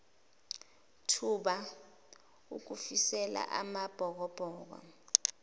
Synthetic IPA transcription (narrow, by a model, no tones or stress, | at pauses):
tʰuɓa | uk̬ufisɛla̰ʔamab̥ʱɔk̬ɔb̥ʱɔːk̬wɔ̰